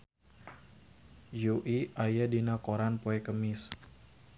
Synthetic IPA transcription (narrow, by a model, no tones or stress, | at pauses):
juʔiajadinakoɾanpoɛkəmɪs